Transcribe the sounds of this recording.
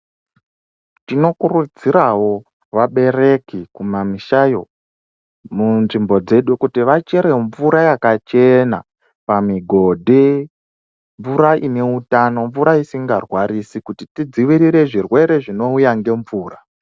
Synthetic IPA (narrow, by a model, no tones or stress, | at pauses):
tino̞kurud͡ziɾawo̞ | ʋaɓe̞ɾe̞kikumamiʃajo̞ | munʐimbo̞d͡ze̞ɗukutiʋat͡ʃe̞ɾe̞ɱvuɾajakat͡ʃe̞na̰ | pamiɡʱo̞dʱe | ɱvuɾaʔine̞utano̞ɱvuɾaisiŋɡarwaɾisikutitid͡ziʋiɾiɾe̞ʐirwe̞ɾe̞ʐino̞ujaŋɡe̞ɱvuːra